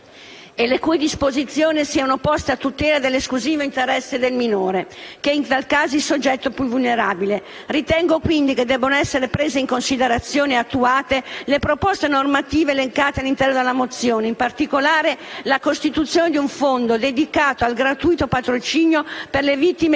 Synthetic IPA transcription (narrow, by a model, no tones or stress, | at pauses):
elekujd̪ispozit̪sːjoːnisiːanopɔst̪eat̪ːut̪ɛːlad̪elːeskluziːvoint̪eɾɛsːed̪elminoːɾekeint̪alkaːzoilsod͡ʒːɛt̪ːopuvulneɾaːbile | rit̪ɛŋɡokwind̪iked̪ːɛbːonoɛsːeɾepɾeːzeiŋkonsid̪eɾat̪sːjoːneat̪ːuaːt̪elepɾopɔst̪enormat̪iːveːleŋkaːt̪ealːint̪ɛrnod̪elːamot̪sːjoːneimpart̪ikolaːɾelakost̪it̪ut̪sːjoːned̪iuɱfond̪od̪ed̪ikaːt̪oalɡɾat̪ujt̪opat̪ɾot͡ʃiːnjoperlevit̪ːime